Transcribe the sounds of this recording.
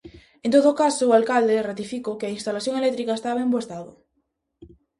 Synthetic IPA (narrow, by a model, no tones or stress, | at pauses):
ent̪oðokasoːalkald̪erat̪ifikokeainst̪alaθjoŋelɛk̚t̪ɾikaest̪aβaemboest̪aðo